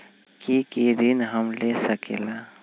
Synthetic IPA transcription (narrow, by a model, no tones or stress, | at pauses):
kikid̪inɦəmlesəkḛːlaː